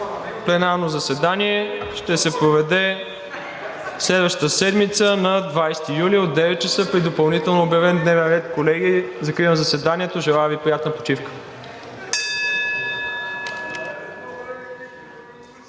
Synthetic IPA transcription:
plɛnaɾnozɐsɛd̪aniɛʃt̪ɛsɛpɾovɛd̪ɛ | slɛd̪vəʃt̪ə̥t̪əsɛd̪mit̪sənɐd̪vajst̪ijuliod̪ːɛvɛt̪̚t͡ʃəsəpɾid̪opɐlˠnit̪ɛlˠnoːbjɐvɛnd̪nɛvɛnɾɛt̪kolɛɡizɐkɾinəzɐsɛd̪anʲiɛt̪oʒɛlˠaɛvipɾijat̪nəpo̥t͡ʃifkə̥

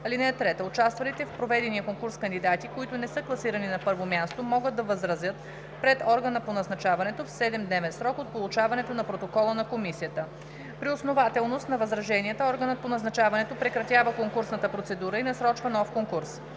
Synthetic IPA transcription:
ɐlinɛt̪ɾɛt̪əot͡ʃast̪vɐlit̪ɛfpɾovɛd̪ɛniəkoŋkuɾskɐnd̪id̪at̪ikoit̪ʊnɛsɤklˠɐsiɾɐninɐpɤɾvomʲjast̪omɔɡəd̪ːɐvəzɾɐzjət̪̚ | pɾɛt̪ɔɾɡənəponɐznɐt͡ʃavɐnɛt̪ofsɛd̪ɛmd̪nɛvɛnsɾɔkot̪̚polˠut͡ʃavɐnɛt̪onɐpɾot̪okɔlˠənɐkomisijət̪ə | pɾiosnovat̪ɛlˠnost̪nɐvɐzɾɐʒɛniət̪əɔɾɡənət̪̚ponɐznɐt͡ʃavɐnɛt̪opɾɛkɾɐt̪ʲjavəkoŋkuɾsnət̪əpɾot̪sɛd̪uɾəinɐsɾɔt͡ʃvɐnɔfkoŋkuɾs

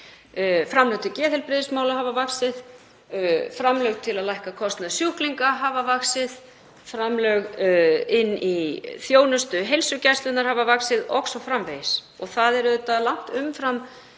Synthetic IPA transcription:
fɾamlœɣt̪ʰɪcɛːθɪlpɾɪðɪsmaːwlaɦaːvavaksɪð | fɾamlœɣt̪ʰɪlaðlajhkakʰɔst̪naðsjuhkliŋkaɦavavaksɪð | fɾamlœɣɪnːiθjoːwnʏst̪ʏɦejlsʏcast̪lʏnaɾ̥havavaksɪðɔ̰xsɔfɾamvejɪs | ɔɣθaðɛɾʏʏt̪alawŋ̥t̪ʏmfɾam

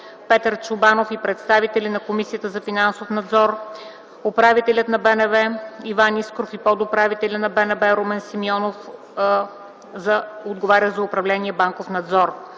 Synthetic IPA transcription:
pɛt̪əɾt͡ʃʊbanofipɾɛt̪st̪avit̪ɛlʲinɐkomisiət̪əzɐfinansofnɐd̪zɔɾ | opɾavit̪ɛlʲət̪nɐbɛnɛvɛivaniskɾofipɔd̪opɾavit̪ɛlʲənɐbɛnɛvɛɾomɛnsimiɔnof | zɐod̪ɡovaɾʲəzɐʊpɾɐvlɛniɛbaŋkofnɐd̪zɔɾ

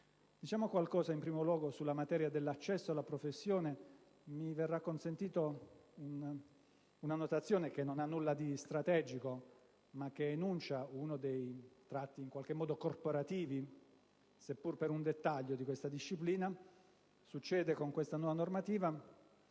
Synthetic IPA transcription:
d̪̥it͡ʃaːmokwalkɔːzaimpɾiːmolwɔːɡosulːamat̪ɛːɾjad̪elːat͡ʃːɛsːoalːapɾofesːjoːne | miverːakːonsent̪iːt̪oun | unanot̪at̪sːjoːnek̟enːonanːulːad̪ist̪ɾat̪ɛd͡ʒiko | mak̟ːeːnunt͡ʃaunod̪ejt̪ɾat̪ːiːŋkwalk̟emːɔːd̪okorpoɾat̪iːvi | sepːurpeɾund̪et̪ːaʎːod̪ikwest̪ad̪iʃːipliːna | sut͡ʃːɛːd̪ekoŋkwest̪anwɔvanormat̪iːva

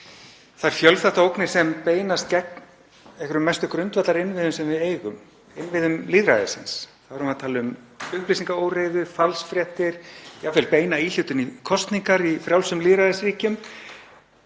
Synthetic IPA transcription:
θaɾ̥fjœlθɛht̪aowknɪɾ̥sɛmpeːjnast̪̚cɛk̚n | ɛhkʏɾʏmːɛst̪ʏkɾʏnt̪vat̪laɾɪnvɪðʏmsɛmvɪðeːjɣʏm | ɪnvɪðʏmliːðɾa̰ðɪ̰sɪ̰nsθaðɾhʏmaðt̪ʰaːlɪʏm | ʏɣpliːsiŋkaoːwrejðʏfalsfɾjɛht̪ɪɾ̥jafɛlpeːjnail̥ʏt̪ʏnikʰɔst̪niŋkaɾifɾjawlsʏmliːðɾaðɪsriːcʏm

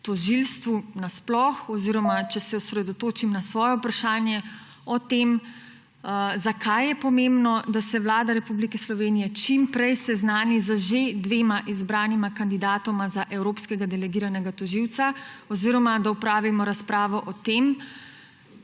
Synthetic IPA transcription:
t̪ɔʒilst̪ʋunasplɔxɔziːɾɔmat͡ʃɛsɛɔsɾɛd̪ɔt̪oːt͡ʃimnasʋɔːjɔpɾaʃaːnjɛ | ɔt̪em | zakʰajɛpɔmembnɔd̪asɛwlaːd̪aɾɛpublikɛslɔʋeːnijɛt͡ʃimpɾɛjsɛznaːnizəʒed̪ʋeːmaʔizbɾaːnimakand̪id̪aːt̪ɔmazaʔɛwɾoːpskɛɡad̪ɛlɛɡiːɾanɛɡat̪ɔʒiwt̪saɔziɾɔmad̪aupɾaːʋimɔɾaspɾaːʋɔʔɔt̪eːm

